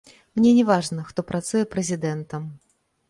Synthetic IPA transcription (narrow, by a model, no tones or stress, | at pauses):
mnʲenʲɪvaʐnəxt̪opɾat̪sujɛpɾəzʲɪd̪ɛnt̪əm